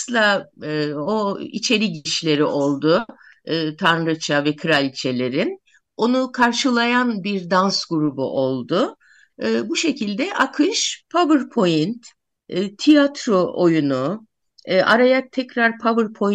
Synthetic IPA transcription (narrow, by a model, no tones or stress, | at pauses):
sɯlˠa | oḭt͡ʃʰe̞ɾiɟiiʃlʲe̞ɾiʔo̞lˠd̪ʊː | t̪ʰanɾɯt͡ʃʰavɛkʰɯɾalʲt͡ʃʰe̞lʲe̞ɾin | o̞nukʰaɾʃɯlˠajanbiɾd̪ansɡuɾubṵʔo̞lˠd̪ʊː | buʃe̞cʰilʲd̪ɛʔakʰɯʃpʰabɯɾpʰo̞jint̪ː | t̪ʰijat̪ɾoʔojunuː | ʔa̰ɾajat̪ʰːɛcɾaɾpʰabɯɾpʰo̞